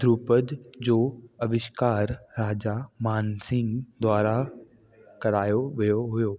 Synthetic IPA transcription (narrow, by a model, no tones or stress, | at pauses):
d̪ʱɾuːpəd̪d͡ʑoːɐʋɪʃkaːɾːaːd͡ʑamaːnsɪ̃ŋɡd̪waːɾa | kɐɾaːjoʋijoɦʊjoː